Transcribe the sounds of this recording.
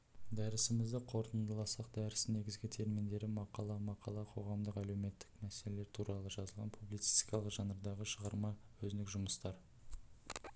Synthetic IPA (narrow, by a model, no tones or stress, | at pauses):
d̪æɾɪsɪmɪzd̪ɪqʰo̞ɾt̪ənd̪əlˠɑsɑq̚d̪æɾɪsne̞ɡʲɪzɡʲɪt̪ʰe̞ɾmɪnd̪e̞ɾɪmɑqɑlˠɑmɑqɑlˠɑqʰo̞ʁɑmd̪əqælewme̞t̪ːɪ̥kmæselele̞ɾt̪ʰuɾɑlˠəʒɑzəlˠʁɑnpʰublijt̪si̥st̪i̥kɑlˠəqʒɑnəɾd̪ɑʁəʃəʁɑɾmɑwɵzɪnɪkʒʊməst̪ɑɾ